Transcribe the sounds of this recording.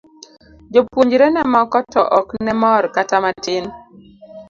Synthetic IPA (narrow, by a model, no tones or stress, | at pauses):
d͡ʒopwoɲd͡ʒɾɛnɛmɔkɔtɔʔɔknɛmɔrkatamatɪn